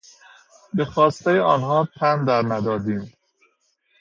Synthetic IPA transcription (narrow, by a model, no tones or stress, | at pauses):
bexɒːst̪ejeɒːnhɒːt̪ʰænd̪æɾnæd̪ɒːd̪iːm